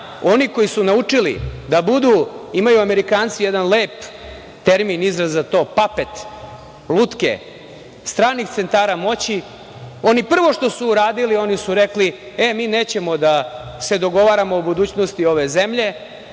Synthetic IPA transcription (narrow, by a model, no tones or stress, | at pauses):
o̞niko̞jisunaut͡ʂilḭd̪abud̪uːimajuameɾikaːnt̪sijed̪anleːp | t̪eɾminizɾazːat̪o̞ːpape̞t̪ | lˠuːt̪kḛ | st̪ɾaːnixt̪se̞nt̪aːɾamo̞t͡ɕi | o̞nipr̩ʋo̞ʂt̪o̞suːɾaːd̪ilio̞nisuɾe̞kli | e̞miːne̞ːt͡ɕe̞mo̞d̪ase̞d̪o̞ɡo̞ʋaːɾamoobud̪uːt͡ɕno̞st̪io̞ʋe̞ze̞mʎe̞